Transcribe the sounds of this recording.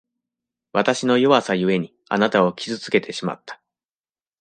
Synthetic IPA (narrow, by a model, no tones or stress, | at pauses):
βat̪aɕino̞jo̞βasajɯ̟e̞ɲ̟i | a̰nat̪ao̞kʲizɨt͡sɨ̥ke̞t̪e̞ɕima̰t̪ːḁ